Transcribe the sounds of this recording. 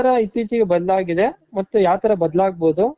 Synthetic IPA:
ɐɾɐit̪ːiːt͡ʃiɡebɐd̪ɐlaːɡid̪e̞mɐt̪ːujaːt̪ʰɐɾɐbɐd̪ɐlaːɡ̚boːd̪u

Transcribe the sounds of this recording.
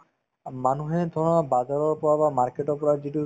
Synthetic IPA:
manuɦed̪ʱɔ̃abad͡ʒaɾɔɾpɔɾabamaɾkeʈɔpɔɾad͡ʒiʈu

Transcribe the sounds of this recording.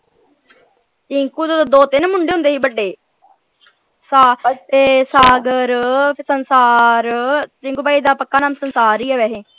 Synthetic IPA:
ɪŋkuːt̪aːt̪od̪oːt̪ɪnmʊɳɖeːɦʊ̃nd̪eːɦiːbəɖːeː | saːeːsaːɡəɾsənsaːɾt͡ʃɪŋɡuːbaːiːd̪aːpəkːaːnaːmsənsaːɾiːɛːʋɛːɦeː

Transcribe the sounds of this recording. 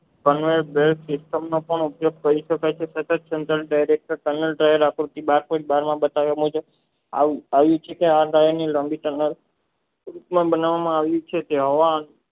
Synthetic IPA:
kənʋeɾbelksɪsʈəmnopəɳupjoɡ̚kəɾiʃəkajt͡ʃʰesət̪əd͡ʒ̪sent̪ɾəlɖajɾek̚ʈəɾʈənəlʈɾajəɾakɾut̪ibaɾpəɾibaɾmãbət̪aʋjamũd͡ʒə | a̰aʋjũt͡ʃʰekeaɾajəniləmbiʈənəl | ɾupmãbənaʋamãaʋjũt͡ʃʰet̪eɦoʋan

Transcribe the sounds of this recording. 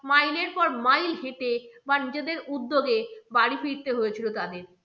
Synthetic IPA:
majleɾpɔɾmajlɦeʈebanid͡ʑed̪eɾud̪ːoɡebaɽifiɾt̪eɦojet͡ɕʰilot̪ad̪eɾ

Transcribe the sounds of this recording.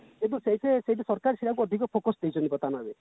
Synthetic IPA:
kit̪useɦit̪ʰeseɦit̪esɔɾkaɾsiɾak̬uɔd̪ʱikɔpʰokɔsd̪ejt͡ʃʰɔnibɔt̪anabe

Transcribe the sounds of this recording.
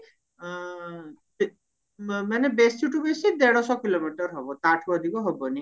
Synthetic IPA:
manebesuʈubesid̪eɽ̃ɔsɔkilomiʈɔɾɦɔbɔt̪aʈʰɔd̪ʱikɔɦɔbɔni

